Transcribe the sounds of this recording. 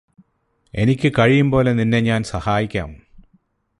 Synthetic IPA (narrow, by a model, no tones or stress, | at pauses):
e̞̰nikʲːɨkɐɻijumpo̞ːle̞ninːeɲaːnsɐhaːjikʲːa̰ːm